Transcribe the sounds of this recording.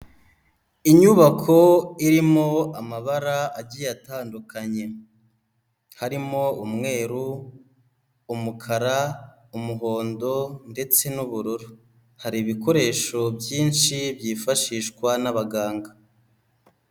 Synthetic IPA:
iɲuβakʰo̞iɾimo̞amaβaɾaaɟijataːndukaɲe̞ | haɾimo̞umŋe̞ːɾu | mukʰaɾa | umuɦo̞ːndo̞nde̞t͡se̞nuβuɾuɾu | haɾiβiko̞ɾe̞ːʃo̞bjiːnʃibjiːfaʃiːʃkwanaβaɡaːŋɡa

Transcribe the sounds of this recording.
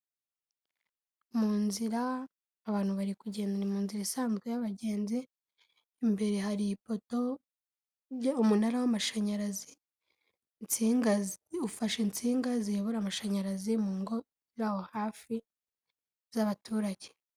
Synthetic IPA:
muːnziɾaː | βaːn̥huβaɾikuɟe̞ːndanimuːnziɾaisaːnzɡwe̞jaβaɟe̞ːnziː | mbe̞ɾeɦaɾiipo̞to̞ | umunaɾawamaʃaɲaɾazi | nt͡siŋaufaʃent͡siːŋɡazieβuɾamaʃaɲaɾazimuːŋɡo̞ | ziɾaːho̞haːfi | zaβatʰuːɾaɟe

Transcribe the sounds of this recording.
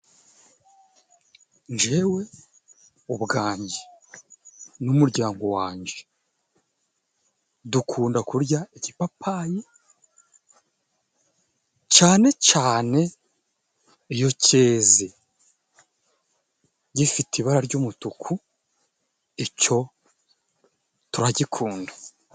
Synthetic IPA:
nd͡ʒe̞we̞ | uβɡaːɲɟe | numuɾɟaːŋɡo̞waːɲɟe̥ | dukʰuːndakuɾɟaicipapʰaje | t͡ʃaːne̞caːne̞ | ijo̞ce̞ːze | ɟifitiβaɾaɾɟoːmutukʰu | eco̞ | tuɾaɟikʰuːndḁ

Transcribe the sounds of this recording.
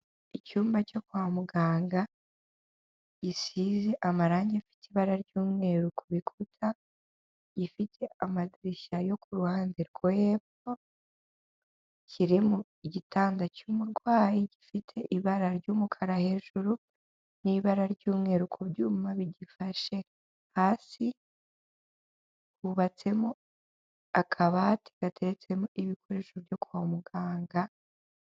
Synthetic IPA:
icuːmbaco̞kwaːmuɡaːŋɡa | ɟ̥isize̞ʔamaɾaːɲɟeafi̥tiβaɾaɾɟuːmŋe̞ːɾukʰoβikʰutʰa | ɟifitʰe̞amadiɾiʃajo̞kuɾuhaːndeɾɡojeːp | o | cʰiɾimuiɟitʰaːndacumuɾɡwaːjiɟifitʰe̞ʔiβaɾaɾɟuːmukʰaɾahe̞ːʒuɾu | niβaɾaɾɟuːmŋeɾukʰo̞bɟuːmumaβiɟifaʃe̞ | haːsi | kuβat͡se̞mo | akʰaβatʰi̥ɡ̥atʰe̞ɾet͡se̞moʔiβikʰo̞ɾe̞ʃobjo̞kuaomuɡaːŋɡa

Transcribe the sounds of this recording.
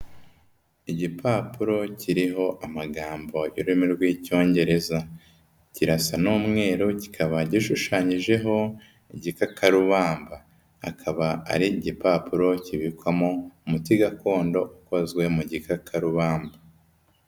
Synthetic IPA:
iɟipʰaːpuɾo̞cʰiɾiɦo̞ʔamaɡaːmbo̞iɾuimiɾɡwiːco̞ːɲɟe̞ɾe̞za | ciɾasanuːmŋe̞ːɾuci̥kʰaβaɟiʃuʃaːɲiʒe̞ɦo̞ | iɟikakʰaɾuβaːmba̰ː | kʰaβaa̰ɾiːɟipaːpuɾo̞ciβikwamo̞umutiɡako̞ːndo̞ʔuko̞zɡwe̞muɟikakʰaɾuβaːmba

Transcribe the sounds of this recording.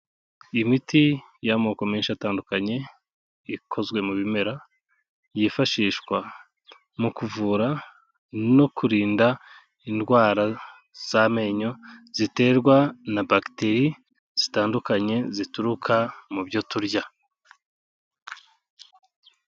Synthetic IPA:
imiti | jamoːko̞meːnʃiataːndukaɲe̞ | ikʰo̞zɡwe̞muβime̞ɾa | jifaʃiːʃwa | mukuvuːɾa | no̞kuɾiːnda | indɡwaːɾa | z̥ame̞ɲo̞z̥ite̞ːɾɡwanabakteɾi | z̥itaːndukaɲe̞zituɾukʰamubɟo̞tuɾɟa

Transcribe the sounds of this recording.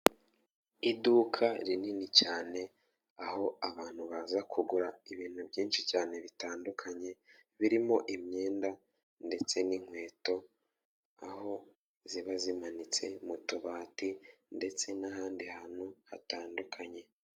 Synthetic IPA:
idukʰaɾininicaːne̞ | aho̞aβaːn̥huβazakʰuɡuɾaiβiːn̥hubɟiːnʃicaːne̞βitaːndukʰaɲe̞ | βiɾimo̞ʔimɲe̞ːnda | nde̞t͡se̞niŋ̥we̞ːto̞ | aho̞ | ziβazimanit͡se̞̰mutuβaːtinde̞t͡se̞nahaːndihan̥uhataːndukʰaɲe̞

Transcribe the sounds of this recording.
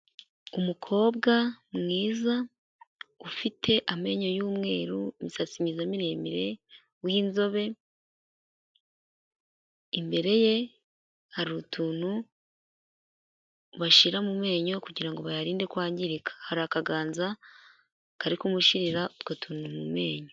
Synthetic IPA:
umukʰo̞ːbɡamŋiːza | ufitʰe̞ʔame̞ɲo̞juːmŋe̞ːɾuimisat͡simɲizamiɾe̞ːmiɾe̞ | winzo̞βe̞ | imbe̞ɾe̞je̞ | haɾutʰuːn̥hu | βaʃiɾamume̞ːɲo̞kuɟiɾaŋɡo̞βajaɾiːnde̞kwaːɲɟiɾikḁhaɾakaɡaːnza | kaɾikumuʃiɾiɾautkotʰuːnumume̞ːɲo

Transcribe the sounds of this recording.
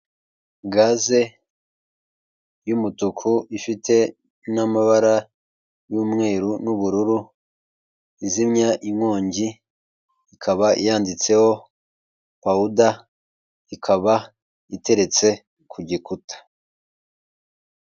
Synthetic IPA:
ɡaze̞ | jumutukʰuifitʰe̞ | namaβaɾa | juːmŋe̞ːɾunuβuɾuɾu | izimɲaʔiŋwo̞ːɲɟi | ikʰaβaʔijaːndit͡se̞ho̞ | pauda | ikʰaβa | ite̞ɾe̞t͡se̞ | kʰuɟikutʰḁ

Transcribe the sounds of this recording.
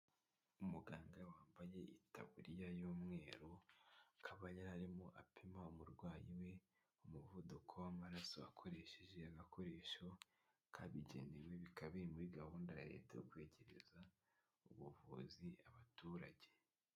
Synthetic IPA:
umuɡaːŋɡawaːmbaje̞ʔita̰βuɾijajuːmŋe̞ːɾokʰaβajaɾaɾimoʔapʰemaumuɾɡwaːjiwe̞ | umuvodukʰowamaɾasoakʰo̞ɾe̞ʃeʒe̞aɡakʰo̞ɾe̞ːʃo̞ | kʰaβiɟenewe̞βikʰaβiɾimuɾiɡahuːndaja̰ɾḛːteokwe̞ːɟe̞ɾe̞̰za | uβuvṵziaβatuːɾaɟe̞

